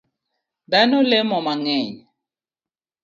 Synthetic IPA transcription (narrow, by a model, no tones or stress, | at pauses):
danɔlɛmɔmaŋɛɲɛ